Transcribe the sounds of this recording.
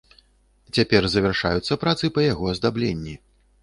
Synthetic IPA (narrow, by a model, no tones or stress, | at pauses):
t͡sʲapʲɛrzɐvʲɛrʂa̰jut̪sːɐpɾat̪sɨpɐjaɣɔɐzd̪ablʲenʲːi